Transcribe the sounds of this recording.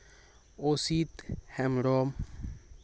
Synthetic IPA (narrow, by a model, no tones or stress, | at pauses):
osit̪hɛmɾɔm